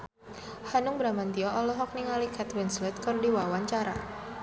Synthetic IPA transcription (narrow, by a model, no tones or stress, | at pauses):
hanʊŋbɾamant̪iɔʔɔlɔɦɔk̚niŋalikɛt̪wɪnslɛt̪̚kɨrdiwawaɲt͡ʃaɾa̰